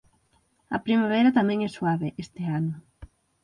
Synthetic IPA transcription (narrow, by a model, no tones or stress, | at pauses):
ɐ̰pɾimaβ̞ɛɾɐt̪amɛ̃ŋɛswaβeʔest̪ɪanʊ